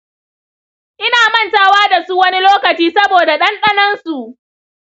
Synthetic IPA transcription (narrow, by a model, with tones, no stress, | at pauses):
ʔɪ˦naː˨mɐ˦˨ntaː˦waː˦da˨su˦wɐ˦ni˦loː˦kɐ˨t͡ʃiː˦sɐ˦boː˨da˨ɗɐ˦nɗɐ˦nɐ˦nsu˨ʔ